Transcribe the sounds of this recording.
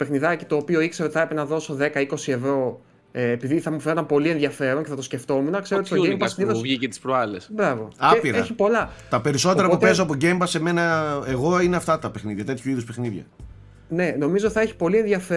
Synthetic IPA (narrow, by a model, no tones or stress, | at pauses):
pe̞xniðɐci̥t̪o̞ːpio̞ikseɾot̪iθɐpɾepenɐðo̞so̞ðe̞kɐiko̞sie̞vɾo̞ː | piðiθɐmufeot̪ɐmpo̞lie̞nðʝɐfe̞ɾo̞nceθɐt̪osce̞ft̪o̞munɐkseɾot̪istoembɐsniðovʝicet̪i̥spɾoɐlesbɾɐvo̞ɐepiɾeçipo̞lɐt̪ɐpe̞ɾiso̞t̪eɾɐpputpezoɐpoɟembɐseme̞nɐeɣo̞ineɐft̪ɐt̪ɐpe̞xniðʝɐt̪e̞t̪ʰçuiðuspe̞xniðʝɐ̰ | ne̞no̞mizot̪iθɐeçi̥po̞lienðiɐfe